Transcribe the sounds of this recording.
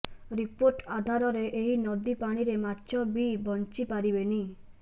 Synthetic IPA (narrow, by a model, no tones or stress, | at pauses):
ɾipoɾʈad̪ʱaɾɔɾeʔeɦinɔd̪ipaɽ̃iɾematːt͡ʃʰɔbibɔnt͡ʃipaɾibeni